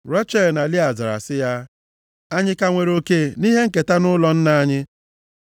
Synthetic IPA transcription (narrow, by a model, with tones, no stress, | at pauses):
ɾa˦t͡ʃɛ˦lna˨li˦a˨za˨ɾa̰˨sɪ˦ja˦ | a˦ɲɪ˦ka˦ŋʷe˨ɾo˨ke˦˨ni˦ɦe˦ŋ̩˦ke˨ta˦nʊ˦lɔ˦n̩˦na˦˨a˦ɲɪ˦